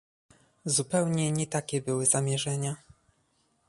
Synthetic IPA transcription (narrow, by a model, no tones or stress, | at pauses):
zupɛwɲɛɲɛt̪akʲɛbɘwɘz̥amʲjɛʐɛɲa